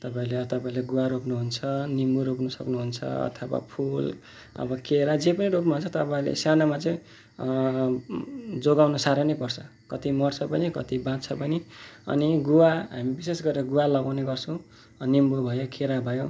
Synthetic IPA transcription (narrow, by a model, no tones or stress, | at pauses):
t̪ʌpãĩleʌt̪ʌpaĩleɡuwaɾoknuɦunt͡sʰʌnimuɾoknusʌknuɦunt͡sʰʌ̰ʌ̰t̪ʰawa̰pʰul | ʌ̰bʌkeɾad͡zepʌniɾopnuɦunt͡sʰʌt̪ʌpaĩlḛsjanamat͡sʌ̃ĩ | d͡zoɡawnosaɾʌnʌjpʌrt͡sʰʌ | kʌt̪imʌrt͡sʰʌpʌnikʌt̪ibãt̪t͡sʰʌpʌniʌ̰niɡuwaɦamibisesɡʌɾeɾʌɡuwalʌɡawneɡʌrt͡sʰʌ̃w̃ | nimbobʱʌjokʰeɾabʱʌjõ